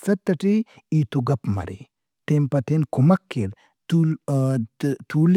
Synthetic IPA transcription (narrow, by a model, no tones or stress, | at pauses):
sɐt̪ːɐʈi | it̪uɡɐpmɐ̰ɾḛ | t̪empɐt̪enkumɐkːeɾ | t̪ul | t̪uːl